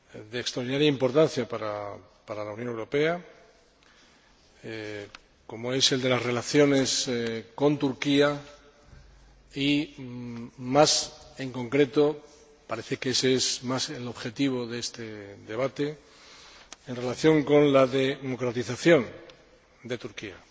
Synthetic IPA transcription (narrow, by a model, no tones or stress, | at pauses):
d̪eːkst̪ɾoɾðinaɾjaimpo̞ɾt̪an̟θjapaɾa̰ | paɾalaunjõnewɾo̞pe̞a | ko̞moe̞se̞ld̪e̞lasre̞laθjo̞ne̞sko̞nt̪uɾkia | i | mase̞ŋkõ̞ŋkɾe̞t̪o̞ | paɾe̞θe̞keeseesmaselo̞βxe̞t̪iβ̞o̞ðeest̪eðe̞β̞at̪e | enre̞laθjo̞ŋko̞nlaðemo̞kɾat̪iθaθjo̞n | d̪e̞t̪uɾkia